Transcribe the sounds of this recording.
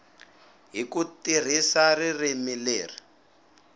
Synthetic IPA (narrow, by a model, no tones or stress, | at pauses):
ɦikutir̤isaririmileːri